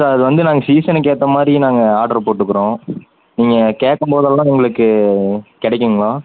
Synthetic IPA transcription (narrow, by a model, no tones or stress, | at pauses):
soɐðɯʋɐnd̪ɯnaːŋɡɐsiːsɐnkeːt̪ːɐmaːd̪ɾinaːŋɡɐaːɾɖɐɾpoːʈːɯkːɯɾõː | niːŋɡɐkeːʈːɐmpoːðɐlːãːɛŋɡɐɭɯkːɯkɪɽɛkːɯŋɡɐɭoː